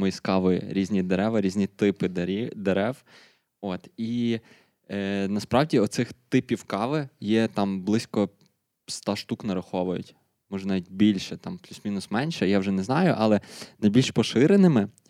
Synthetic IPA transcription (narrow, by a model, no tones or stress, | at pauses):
mɔjiskɑʋɪj̰ɾʲizʲnʲid̪eɾɛʋɐɾʲizʲnʲit̪ɪpɪd̪ɾʲid̪eɾɛw | ot̪i | nɐspɾɑʋdʲiɔt̪sɪxt̪ɪpʲiwkɑʋɪjɛt̪ɑmblˠɪsʲkɔ | st̪ɑʃt̪uknɐɾɐxɔʋʊjʊ̰tʲ | mɔʒɛnaʋʲitʲbʲilʲʃɛt̪ɑmplʲusmʲinʊsmɛnʲʃɛjawʒɛnɛznɑjʊʔɑlˠɛnɐjbʲilʲʃpɔʃɪɾenɪmɪ